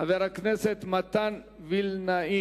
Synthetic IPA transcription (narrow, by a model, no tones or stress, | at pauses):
aveɾakneset̪mɐt̪an | vilnai